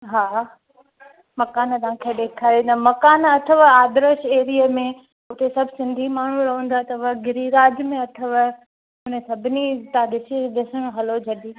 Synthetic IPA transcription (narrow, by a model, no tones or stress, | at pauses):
ɦaː | mɐkaːnt̪aãːkʰeːɗeːkʰaːɾĩd̪əmɐkaːnɐt̪ʰəʋaːd̪ɾəʃeːɾiəmẽ | ʊt̪esɐbʱsɪ̃nd̪ʱimaːɳ̤uɾɐɦə̃n̆d̪at̪ɐʋəɡɪɾiɾaːd͡ʒmẽɐt̪ʰəʋ | ʊnẽsɐbʱɪnit̪aːd̪ɪsiɗɪsəɽ̃õɦɐlod͡ʑʱɐɗiː